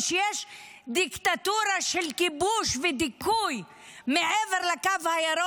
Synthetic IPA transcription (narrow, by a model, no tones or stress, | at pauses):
ʃejeʃ | d̪ikt̪at̪uɾaʃelkibuʃved̪ikuj | meʕeveʁlakavhajeɾo